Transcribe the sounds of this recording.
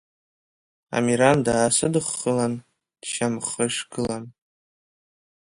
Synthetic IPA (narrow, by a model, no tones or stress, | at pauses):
a̰miɾandaːsɨdɨχːəlan | d̥ʃamχəʂɡɨlan